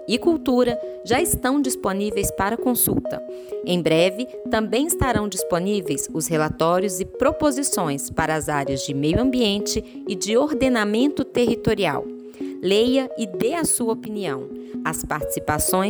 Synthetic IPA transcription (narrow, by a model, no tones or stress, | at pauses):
ɪkuwt̪uɾɐʒaɪst̪ɐ̃w̃d͡ʒisponivejspaɾɐkõsṵwt̪ɐ̰ | ẽj̃bɾɛvɪ | t̪ɐ̃mbẽj̃ɪst̪aɾɐ̃w̃d͡ʒisponivejsʊsɦelat̪ɔɾjʊzɪpɾopozisõj̃spaɾɐːzaɾjɐzd͡ʒɪmejʊɐ̃mbiẽnt͡ʃɪ | ɪd͡ʒɪoɾd̪enamẽnt̪ʊt̪eɦit̪oɾia̰w | lejɐɪd̪eɐsuɐopiniɐ̰̃w̃ | ɐspaɾt͡ʃi̥sipasõj̃